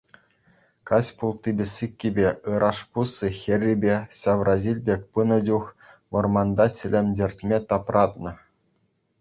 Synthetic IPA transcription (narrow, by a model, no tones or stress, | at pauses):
kɑsʲpulˠt̪ʲibʲɘ̆sʲikʲːibʲeɯɾʔɑʂpusːɨxʲɘ̆rʲːibʲeɕɑʋrʔɑzʲilʲbʲekʲpɯnɤ̆d͡ʑux | mɤ̆rmɑnd̪ɑt͡sʲɘ̆lʲemʲdʲerʲtʲmʲet̪ɑprɑt̪nɤ̆